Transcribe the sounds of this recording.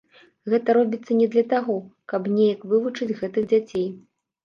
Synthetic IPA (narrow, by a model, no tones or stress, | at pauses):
ɣɛt̪ɐɾɔbʲit̪sːɐnʲɛd̪lʲɐt̪aɣɔkɐbnʲejɐkvɨvut͡ʂɨd͡zʲɣɛt̪ɨɣd͡zʲat͡sʲej